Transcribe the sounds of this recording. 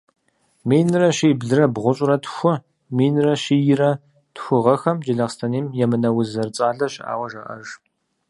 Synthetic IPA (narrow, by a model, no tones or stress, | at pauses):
meːnɨrɐʃiːbɮɨrɐbʁʷʊɕʼrɐtxʷʊ | miːnrɐɕiːjɪrɐ | txʷʊʁɐxɐmd͡ʒɪɮɐqstʰɐniːmjɛmɨnɐwʊzɐrt͡sʼaːɮɐɕʼa̰ːwɐʒɐʔɐ̰ʒ